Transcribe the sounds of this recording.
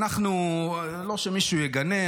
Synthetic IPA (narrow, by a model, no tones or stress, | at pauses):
naχnu | lo̞ʃemiʃujeɡane